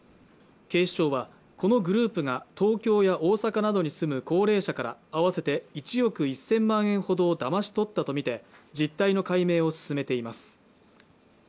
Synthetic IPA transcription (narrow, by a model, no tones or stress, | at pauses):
ke̞ːɕi̥ɕo̞ːβa | ko̞no̞ɡɯ̟ɾɯ̟ːpɯ̟ɡat̪o̞ːkʲo̞ːjaʔoːsakanad̪o̞ɲ̟isɨmɯ̟ko̞ːɾe̞ːɕakaɾa̰ːβase̞t̪e̞it͡ɕijo̞kɯ̟isẽ̞mːãɰ̃ẽ̞ɰ̃ho̞d̪o̞ːd̪amaɕi̥t̪o̞t̪ːat̪o̞mʲit̪e̞d͡ʑit̪ːaino̞kaime̞ːo̞sɨ̥sɨme̞t̪e̞imasɨ̥